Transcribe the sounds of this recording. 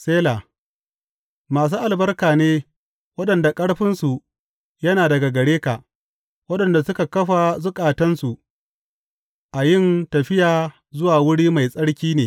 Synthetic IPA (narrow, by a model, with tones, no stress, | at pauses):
seː˦la˨ | maː˨s̬uː˦ʔa˨lbɐ˦rkaː˨neː˦ | wɐ˦ɗɐ˨nda˨kʼɐ˦ɽɸɪ˦nsu˨ | jɐ˦naː˨dɐ˨ɡa˨ɡɐ˨ɽeː˦ka˨ʔ | wɐ˦ɗɐ˨nda˨sʊ˦ka˨kɐ˦ɸa˨zʊ˦kʼaː˨tɐ˦nsu˨ʔ | ʔa˨jɪ˦˨ntɐ˨ɸɪ˦jaː˨ | zʊ˦waː˨wʊ˦ɽiː˦ma˨jsʼɐ˦ɽkʲiː˦neː˨